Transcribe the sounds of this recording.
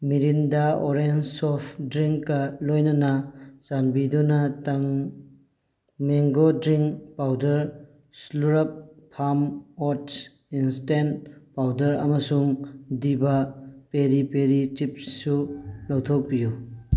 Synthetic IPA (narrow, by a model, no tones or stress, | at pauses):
miɾindaoɾensɔpʰdɾiŋkːɐlojnɐnɐsanbidunɐtɐŋ | meŋɡodɾiŋkpawdɐɾ | sluɾɐp̚pʰːamɔt | instenpawdɐɾɐ̰mɐsuŋdibɐpeɾipeɾit͡ʃip̚sulawtʰok̚piju